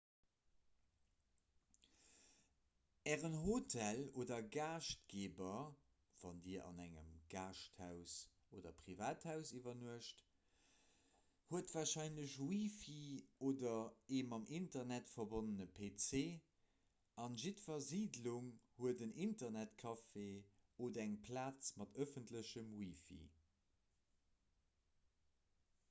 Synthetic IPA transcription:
ɛːʁənɦotʰæloːdɐɡaːʃt̚ɡeːbɐ | v̥ɑndiːɐʔɑ̰næŋə̰mɡ̥aːʃthæʊs | oːdɐ̰pʁ̥ivaːthæʊsivɐnuəʃt | huətvaːɐʃɑɪnləɕwiːfioːdɐeːmɑmʔintɐnætfɐbonənəpʰet͡seː | ɑnʒitfɐziːdluŋhuədənintɐnætkʰɑfeodæŋpʰlaːt͡smɑtəfəntləɕəmwifḭ

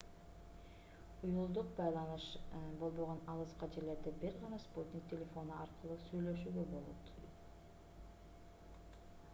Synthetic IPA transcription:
ujulˠd̪uq̚bɑjlˠɑnɯʃbo̞lˠbo̞ʁo̞nɑlˠɯzqɑd͡ʒeɾle̞ɾd̪ebiɾʁɑnɑspot̪ʲnʲik̚t̪ʲelʲe̞fo̞nuɑɾqɯlˠuːsyjlø̞ʃyːɡøbo̞lˠo̰t̪

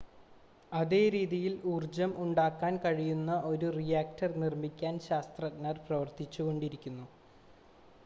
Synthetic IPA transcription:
ɐðe̞ːɾiːðijiluːrd͡ʑɐmuɳɖaːkːaːnkɐɻijunːɐʔo̞ɾurijaːk̚tɐrnirmikʲːaːnɕaːst̪rɐnɐrprɐʋɐrt̪it͡ɕːuɣo̞ɳɖiɾikʲːunːu

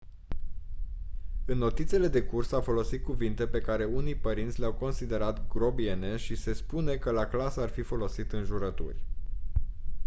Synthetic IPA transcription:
ɨnːo̞t̪it̪siele̞d̪e̞kursafo̞lo̞sit̪̚kuvint̪e̞pe̞kaɾe̞unijpəɾint̪sʲleawko̞nsid̪e̞ɾat̪ɡɾo̞bie̞ne̞ʃise̞spune̞kəlaklasəarfifo̞lo̞sit̪ɨnʒuɾət̪ṵrʲ

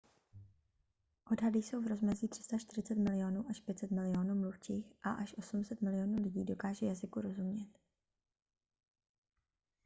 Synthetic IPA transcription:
ʔo̞dɦadɪjso̞wvɾo̞zmɛziːt̪r̥ɪ̥st̪at͡ʃt̪ɪr̝ɪt͡sɛt̪mɪlɪonuːʔaʃpjɛt̪t͡sɛt̪mɪlɪo̞nuːmluft͡ʃiːxʔa̰ʔaʃʔo̞sumsɛt̪mɪlɪjo̞nuːlɪɟiːdo̞kaːʒɛjazɪkuɾo̞zumɲɛt̪

